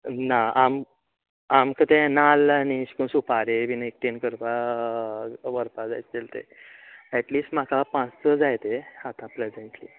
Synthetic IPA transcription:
naam | amkət̪enalañiɕkusupaɾebinek̚ʈinkəɾpa | ʋəɾpad͡za̰jt͡st̪elt̪ḛɛʈliːsʈm̤akapãt͡st͡səd͡zajt̪eat̪ãpled͡zẽɳʈliː

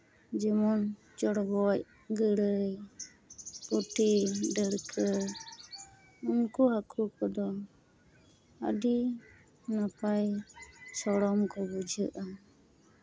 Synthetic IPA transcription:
d͡ʒɛmɔn | d͡ʒɔɽɔbɔc | ɡəɽəj | uʈiɖəɾkʰə | unkuɦakʰukɔd̪ɔ | a̰di | napajsɔɽɔmkɔbud͡ʒʱəʔa

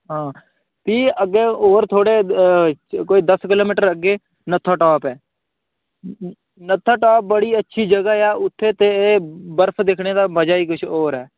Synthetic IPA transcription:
ɦãː | t̪iːəɡeːoːɾt̪ʰoːɽeː | koːiːd̪əskɪloːmiːʈəɾəɡeː | nət̪ʰːaːʈɔːpɛː | nət̪ʰːaːʈɔːp̚bəɽiːətːʃʰiːd͡ʒəɡaːjaːʊt̪ʰːeːt̪eːeːbəɾpʰd̪ɪkʰɽeːd̪aːbəd͡ʒaːiːkʊt͡ʃʰoːɾɛː

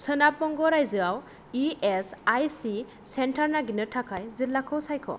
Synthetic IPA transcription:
sɯnapɔŋɡɔɾajzɯaw | iesajsi | sentʰaɾnaɡinɯtʰakʰajzillakʰɔwsajkʰɔ̰

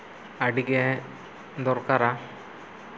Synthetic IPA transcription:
aɖiɡɛ | d̪ɔɾkaɾa

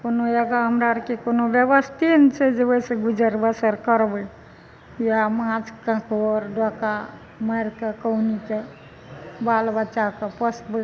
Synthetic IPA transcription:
konojəɡaɦəmɾaɾkekonoʋjeʋəst̪int͡ʃʰed͡ʒeoiseɡud͡ʒəɾbəsəɾkəɾbə | jamãd͡ʒkãkoɾɖɔka | məɾkekəwnike | balbət͡ʃakəpəsbə

